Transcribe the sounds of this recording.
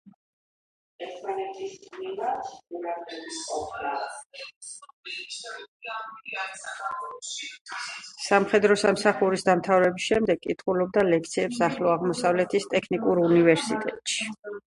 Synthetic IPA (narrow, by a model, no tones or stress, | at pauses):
ɛɾt̪ʰmanɛt̪ʰisnilat̪uɾakʼɛbisqʼɔpla | samχɛd̪ɾɔsamsaχuɾisd̪amt̪ʰavɾɛbisʃɛmd̪ɛɡkʼit̪ʰχulɔb̚d̪alɛk̚ʰt̪sʰiɛpsaχlɔaʁmɔsavlɛt̪ʰist̪ʼɛkʰnikʼuɾunivɛɾsit̪ʼɛt̪ʼʃi̥